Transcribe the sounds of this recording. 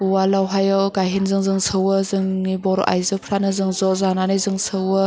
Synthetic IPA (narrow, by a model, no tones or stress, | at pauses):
uwalawɦajɔɡajɦinzɯŋzɯŋsʰɯwɯzɯŋnibɔɾɔ̰ʔa̰jzɯpʰɾanɯzɯŋzɔzananɯjzɯŋsʰɯwə